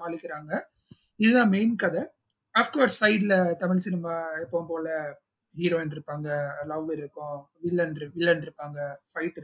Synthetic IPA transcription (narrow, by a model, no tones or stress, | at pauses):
aːɭɪkːɪɾaːŋɡɐ | ɪðɯðãːmeɪnkːɐðɛ | aːfkaːɾsːɐɪɖɪlɐt̪ɐmɪɭsɪnɪmaːɛpːoːmpoːlɐ | hiːɾoːɪnɪɾɯpːaːŋɡɐlɐʋʋɪɾɯkːʊ̃ | ʋɪlːɐnɾʋɪlːɐnɪɾɯpːaːŋɡɐfɐɪʈːɪɾ